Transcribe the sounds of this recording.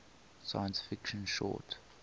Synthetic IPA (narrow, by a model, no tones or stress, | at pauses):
saɪə̃nsfɪkʃə̃nʃɔ̰ːt